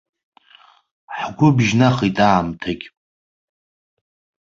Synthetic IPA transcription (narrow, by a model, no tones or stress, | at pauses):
ħɡʷʊbʒnaχitʼaːmtʰakʲʼ